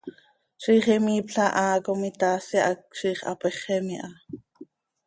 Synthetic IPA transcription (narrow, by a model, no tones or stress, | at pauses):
ʃiːχɛmiːpɬɑʔɑːkomit̪aːsiʔak̚ʃiːχɑ̰pɛχɛmiʔɑ